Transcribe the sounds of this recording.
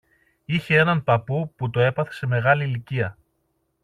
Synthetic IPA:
içe̞e̞nɐnpɐpuput̪o̞e̞pɐθe̞̥se̞me̞ɣɐliːliciɐ

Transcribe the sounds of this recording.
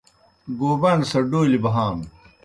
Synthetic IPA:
ɡoːbɐnsɐɖoːlibɐɦaːn

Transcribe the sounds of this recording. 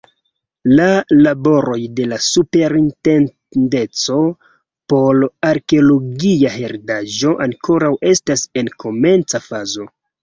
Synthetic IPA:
lalabo̞ɾo̞jde̞lasupe̞ɾinten | de̞t͡so̞ | po̞laɾkeolo̞ɡiaɦeɾdaʒo̞ʔaŋkʰo̞ɾawʔe̞stase̞nkʰo̞me̞nt͡safazo̞

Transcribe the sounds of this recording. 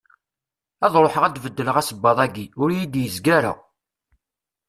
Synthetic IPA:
ɑðˤɾˤoħəʁæd̪vəd̪ːələʁæsəbːɑðˤæɡiʊɾjid̪jəzɡæɾə̰ʁ

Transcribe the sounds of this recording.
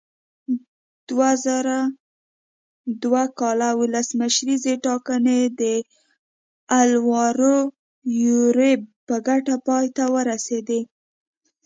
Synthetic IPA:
d̪̥wazaɾa | d̪wakɑlawʊlasməʃɾizeʈɑkaned̪ə | alwɑɾo | juɾepəɡaʈapɑjt̪awəɾased̪e

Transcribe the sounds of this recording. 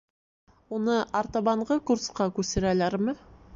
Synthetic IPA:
wonəɑɾt̪ɑbɑɴʁəkuɾsqɑkʲʰɵseɾɑjlɑɾmə

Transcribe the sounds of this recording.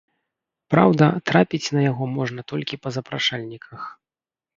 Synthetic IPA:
pɾa̰wd̪ɐt̪ɾapʲit͡sʲnɐjaɣɔmɔʐn̪ɐt̪ɔlʲkʲipɐzɐpɾaʂalʲnʲikʰɐx

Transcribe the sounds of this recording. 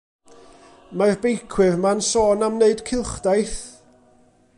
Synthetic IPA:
marbejkʰwɨrmansoːnamneɨd̥kʰɪlˠχd̥ajθ

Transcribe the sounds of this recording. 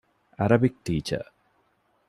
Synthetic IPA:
ɐɾɐbik̚ʈiːt͡ɕɐ̰

